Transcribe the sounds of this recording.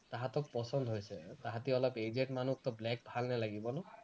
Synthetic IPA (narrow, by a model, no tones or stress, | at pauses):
taɦatɔk̚pɔsɔnd̪ɦojsɛtaɦatiɔlɔped͡ʒeʈmanuk̚tɔblɛk̚bʱalnalaɡibɔnɔ